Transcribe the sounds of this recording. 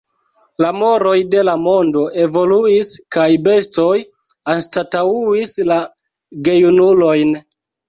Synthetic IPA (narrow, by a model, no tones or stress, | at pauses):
lamo̞ɾo̞jde̞lamo̞ndo̞ʔe̞vo̞luiskajbe̞sto̞j | anstatauisla | ɡe̞junulo̞jn